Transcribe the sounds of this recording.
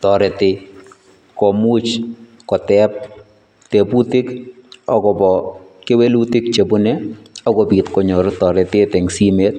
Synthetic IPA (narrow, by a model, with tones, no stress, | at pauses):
tɔ˨ɾɛ˨tɪ | kɔ˨mu˦t͡ʃ | kɔ˨tɛp̚ | te˨pu˦tɪ˦kɔ˦kɔ˨bɔkɪ˦we˦lu˦tɪ˦k̚t͡ʃe˨bu˦ne˦ɔ˦kɔ˨bi˨tkɔ˨ɲɔ˨ɾtɔ˨ɾɛ˨tɪ˦tɛ˨ŋsi˦me˦t̚